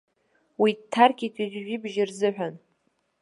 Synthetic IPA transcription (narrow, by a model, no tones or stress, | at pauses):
witʰːarkʲitʰizʷʒʷᶣibʒɪrzɨħʷᶣan